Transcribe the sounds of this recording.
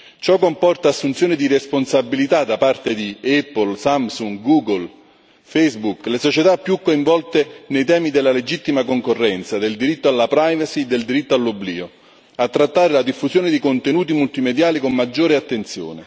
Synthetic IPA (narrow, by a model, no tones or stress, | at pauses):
t͡ʃɔkːompɔrt̪aːsːunt̪sjoːnɪd̪iresponsabilit̪ad̪apart̪ed̪iɛpːolsamsuŋɡɡuːɡol | fɛjzbuklesot͡ʃet̪apːjukːoiɱvɔlt̪enejt̪̬ɛːmid̪elːaled͡ʒit̪ːimakoŋkorːɛnt̪sad̪eld̪iɾit̪ːoalːapɾajvasied̪ːeld̪iɾit̪ːoalːobliːo | at̪ːɾat̪ːaːɾelad̪ifːuzjoːnɪd̪ikont̪enuːt̪̬imult̪imed̪jaːlikomːad͡ʒːoːɾeat̪ːent̪sjo̰ːne